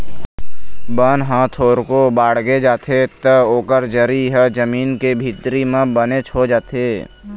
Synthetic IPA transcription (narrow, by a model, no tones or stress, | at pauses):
bənɦãːt̪ʰoːɾkobaːɽ̤ɡed͡ʒaːt̪ʰet̪əoːkəɾd͡ʒəɾiɦəd͡ʒəmiːnkebʱit̪ɾimẽbənet͡ʃʰod͡ʒaːt̪ʰeː